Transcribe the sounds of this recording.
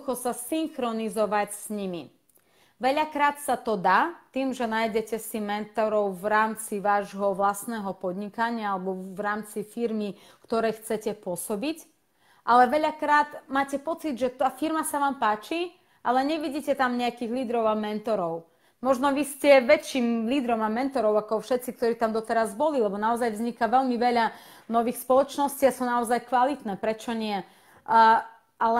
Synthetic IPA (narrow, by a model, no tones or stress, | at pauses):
xɔsasiŋxɾɔnizɔʋacsɲimi | ʋɛʎakɾaːt̪sat̪ɔd̪aːt̪iːmʒɛnaːjɟɛcɛsimɛnt̪ɔɾɔʊʋɾaːmt͡siʋaːʒɦɔʋlasnɛːɦɔpɔd̪ɲikaɲɪaalɛbɔʋɾaːmt͡sifiɾmi | kt̪ɔɾɛjxt͡sɛcɛpʊɔsɔbic | ʔalɛʋɛʎakɾaːt̪maːcɛpɔt͡sid̪ʒɛt̪aːfiɾmasaʋaːmpaːt͡ʃi | ʔalɛɲɛʋiɟiːcɛt̪amɲɛakiːɣliːd̪ɾɔʊamɛnt̪ɔɾɔʊ | mɔʒnɔʋiscɛʋɛt͡ʃːiːmliːd̪ɾɔmamɛnt̪ɔɾɔʊakɔfʃɛt̪t͡sik̚t̪ɔɾiːt̪amd̪ɔt̪ɛɾazbɔlilɛbɔnaɔzajvzɲikaʋɛʎmiʋɛʎa | nɔʋiːxspɔlɔt͡ʃnɔsciːasuːnaɔzajkʋalit̪nɛːpɾɛt͡ʃɔɲɪɛ | al